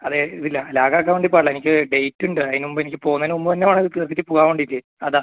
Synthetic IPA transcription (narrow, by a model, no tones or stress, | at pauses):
ɐðeiðilːɐlaːɡaːk̬ːaːʋeɳɖipːoaːɭɐenikʲːɨɖe̞jtːuɳɖɨɐðinumbɨenikʲːɨpo̞ːɣnɐinumbɐt̪ɐnːeʋaːɳiðɨt̪irkit̪ːɨpuɣaːʋeɳɖilːi | ɐða